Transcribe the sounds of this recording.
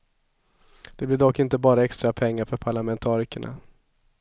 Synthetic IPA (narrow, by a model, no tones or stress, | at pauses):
d̪̥ɛblɪɖɔkːɪnt̪əbɑːɾaɛkst̪ɾapʰɛŋːaɾfœɾpʰaɭamɛnt̪ʰɑːɾɪkəɳa̰